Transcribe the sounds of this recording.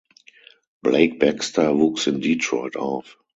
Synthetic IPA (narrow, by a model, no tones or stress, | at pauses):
b̥leɪk̚b̥ɛkstavuːksɪ̃mditʰɹɔɪtaʊf